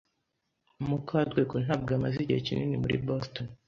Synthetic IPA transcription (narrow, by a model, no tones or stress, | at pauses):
umukʰadɡekun̥aːb̚ɡamaziɟihḛcinḭnimuɾḭboston